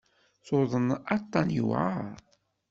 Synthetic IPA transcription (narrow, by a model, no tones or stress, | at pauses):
θoðˤənɑt̪ˤːɑnjṵa